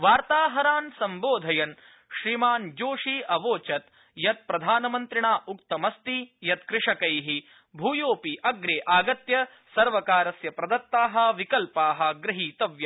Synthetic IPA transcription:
ʋaːɾt̪aːɦɐɾaːnsɐmboːd̪ʱɐjɐn | ʃɾimaːnd͡ʒoːʂiːɐʋoːt͡ʃɐt̪ | jɐt̪̚pɾɐd̪ʱaːnɐmɐnt̪ɾiɳaːʔukt̪ɐmɐst̪ijɐt̪kɾɪʂɐkɐjɦi | bʱuːjoːpiʔɐɡɾeːʔaːɡɐt̪jɐ | sɐɾʋɐkaːɾɐsjɐpɾɐd̪ɐt̪ːaːɦɐ̆ʋikɐlpaːɦɐ̆ɡɾɐɦiːt̪ɐʋjɐ

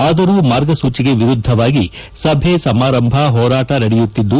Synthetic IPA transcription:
aːd̪ɐɾuːmaːɾɡɐsuːt͡ʃiɡe̞ʋiɾud̪ʱːɐʋaːɡi | sɐbʱesɐmaːɾɐmbʱɐɦɔːɾaːʈɐnɐɽɛjut̪ːid̪ːu

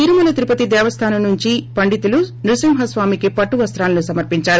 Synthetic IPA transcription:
t̪iɾumɐnɐt̪iɾupɐt̪id̪ɛːʋɐst̪ʰaːnɐmnuɲt͡ʃipɐɳɖit̪ulunɾusimɦɐsʋaːmikipɐʈːuʋɐst̪ɾaːlɐnusɐmɐɾpiɲt͡ʃaːɾu

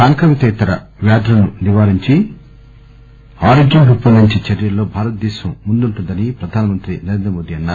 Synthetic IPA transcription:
aːŋkɐʋit̪ɛːt̪ɐɾɐ̰ | ʋaːd̪ɐɾɐnuniʋaːɾiɲt͡ʃi | aːɾid͡ʒɐnɡʱupːɐnnuɲt͡ʃit͡ʃɐɾjɐlːo̞ːbʱaːɾɐt̪̚d̪ɛːʃɐmːund̪uɳʈund̪ɐnipɾɐd̪ʱaːnɐmɐnt̪ɾinɐɾend̪ɾɐmoːd̪iɐnːa

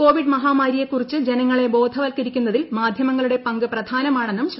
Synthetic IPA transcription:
ko̞ːʋiɖmɐɦaːmaːɾijekːurit͡ɕːɨd͡ʑe̞nɐŋːɐɭe̞bo̞ːd̪ʱɐʋɐlkɐɾikʲːunːɐðilmaːd̪ʱjɐmɐŋːɐɭuɽe̞pɐŋɡɨprɐd̪ʱaːnɐmaːɳɐenːumɕ

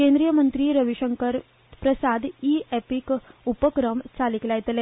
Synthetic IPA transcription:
kẽnd̪ɾijəmənt̪ɾiːɾəʋiɕəŋkəɾ | pɾəsad̪iepikupəkɾəmt͡saliklajt̪le

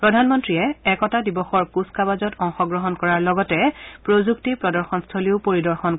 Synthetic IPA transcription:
pɹɔdʱanmɔntɹiɛɛkɔtadibɔxɔɹkuskabazɔtɔŋxɔɡɹɔɦɔnkɔɹaɹlɔɡɔtɛpɹozuktipɹɔdɔɹxɔnstʰoliʊpoɹidɔɹxɔn

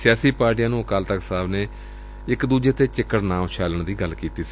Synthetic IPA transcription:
sɪjaːsiːpaːɾʈijãːnũːkaːlt̪əksaːbneː | ɪkd̪uːd͡ʒeːt̪eːt͡ʃɪkːəɽnãːʋt͡ʃʰaːləɳd̪iːɡəlkiːt̪iːsiː

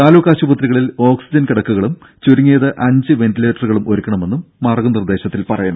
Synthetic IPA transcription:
t̪aːlukːaːɕubɐt̪riɣɐɭilo̞ːksid͡ʑɐnkiɽɐkːuɣɐɭum | t͡ɕuɾuŋːeːðɨʔɐɲd͡ʑɨʋe̞ntile̞ːʈːɐruɣɐɭumoɾukʲːɐɳɐme̞nːumːɐrɡunird̪e̞ːɕɐt̪ːilpɐrɐjɐɳɐ

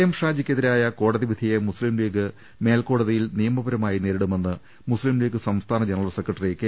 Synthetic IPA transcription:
jɐmʂaːd͡ʑikʲːeðiɾaːjɐko̞ːɽɐðiʋid̪ʱijemuslimliːɡɨ | me̞ːlko̞ːɽɐðijilnijɐmɐbɐɾɐmaːjineːɾiɽume̞nːɨ | muslimliːɡɨsɐmst̪ʰaːnɐd͡ʑenɐrɐlse̞krɐʈːɐriekːe

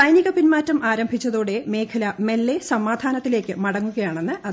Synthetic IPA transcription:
ɐjniɣɐpːinmaːtːɐmʔaːɾɐmbʱit͡ɕːɐðoːɽe̞me̞ːkʰɐlɐme̞lːe̞sɐmaːd̪ʱaːnɐt̪ːile̞ːkːɨmɐɽɐŋːuɣɐjaːɳe̞nːɨʔɐ

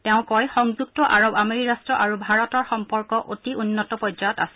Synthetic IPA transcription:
teʊ̃kɔjxɔŋzuk̚tɔʔaɹobameɹiɹastɹɔʔaɹubʱaɹɔtɔɹxɔmpɔɹkɔʔotiunːɔtɔpɔzaɔtassɛ̥

